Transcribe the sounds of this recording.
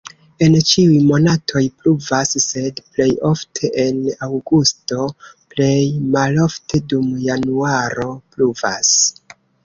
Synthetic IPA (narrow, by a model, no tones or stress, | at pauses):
e̞nt͡ʃiujmo̞natʰo̞jpluvasse̞dple̞jo̞ftʰe̞ʔe̞nawɡusto̞ple̞jmalo̞ftʰe̞dumjanuaɾo̞pluva̰s